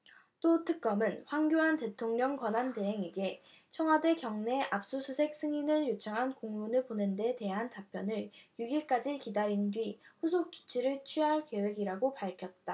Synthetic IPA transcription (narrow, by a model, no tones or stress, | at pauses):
t͈otʰɯk̚k͈ʌmɯnɸwaŋɡjoɦante̞tʰoŋɲʌŋkwanɦante̞ɦe̞ŋeɡe̞ | t͡ɕʰʌŋɦadekjʌŋne̞ʔap̚s͈usʰusʰe̞k̚s͈ɯŋinɯɭjot͡ɕʰʌŋɦankoŋmunɯɭponɯnde̞te̞ɦantapʰjʌnɯɭjuɡiɭk͈ad͡ʑikidaɾindɥiɸusʰok̚t͡ɕ͈u̥t͡ɕʰiɾɯɭt͡ɕʰɥiɦaɭke̞we̞ɡiɾaɡopaɭkʰjʌt̚t͈a